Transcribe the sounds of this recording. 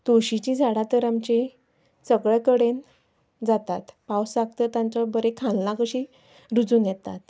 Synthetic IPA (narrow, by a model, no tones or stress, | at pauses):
t̪oɕit͡ɕĩːd͡zʱaɽat̪əɾamt͡ɕe | səɡɭɛkəɽen | d͡zat̪at̪pawsak̚t̪ət̪ãnt͡sɔbəɾekʰãnlãkəɕi | ɾud͡zuːnjɛt̪a̰t̪